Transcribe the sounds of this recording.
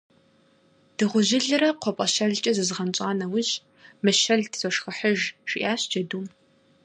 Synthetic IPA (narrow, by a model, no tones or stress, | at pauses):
d̥ɨʁʷʊʑɪɮɨrɐqʷʰɔpʼɐʃɐɮt͡ʃʼɐzɨzʁɐnt͡ʃʼaːnɐwʊʑ | mɨʃɐɮtʰzʼɔʂxɐħəʒʃiʔaːɕd͡ʒɐduːm